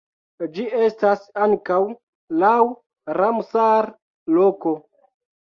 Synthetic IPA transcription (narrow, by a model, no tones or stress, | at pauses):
d͡ʒiʔe̞stasaŋkaw | law | ɾamsaɾ | loko̞